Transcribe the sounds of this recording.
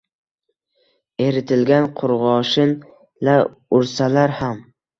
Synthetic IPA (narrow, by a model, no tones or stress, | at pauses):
e̞ɾɪt̪ʰɪlɡʲanqʰʊɾʁɒʃɪn | la | ʊɾsalaɾham